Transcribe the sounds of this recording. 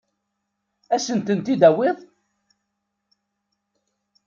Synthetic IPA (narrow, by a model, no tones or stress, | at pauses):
æsənt̪ənt̪id̪æwɪðˤ